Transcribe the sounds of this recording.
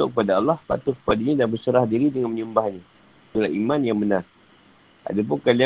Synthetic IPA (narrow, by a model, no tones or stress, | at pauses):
ʊkəpadaːlːɔhpa̰t̪ʊkə̥padaɲadabəsəɾahdiɾidəŋanməɲəmbaɦɲa | t̪ulahimanjaŋbənar | ʔa̰dap̬ʊŋkalia